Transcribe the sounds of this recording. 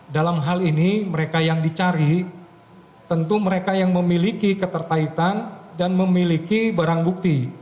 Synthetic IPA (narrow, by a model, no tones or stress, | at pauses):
dalamɦaliniməɾekajaŋdit͡ʃaɾi | t̪ənt̪uməɾekajaŋməmilikikət̪ərt̪ait̪andanməmilikibaɾaŋbuk̚t̪i